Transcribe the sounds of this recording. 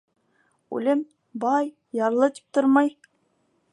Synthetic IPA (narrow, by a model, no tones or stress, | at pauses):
ʉ̰lɘm | bɑj | jɑɾlˠɤt̪i̥p̚t̪oɾmɑj